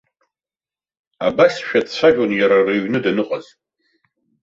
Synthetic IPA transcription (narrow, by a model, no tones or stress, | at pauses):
a̰basʃᶣadt͡sʰʷaʒᶣʼonjaɾareɥnɨdanɨqʼaz